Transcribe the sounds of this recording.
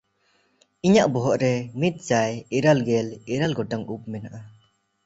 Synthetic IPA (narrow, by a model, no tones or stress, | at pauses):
iɲaʔbɔɦɔʔɾɛmit̪̚d͡ʒajiɾalɡɛliɾalɡɔʈaŋup̚mɛnaʔa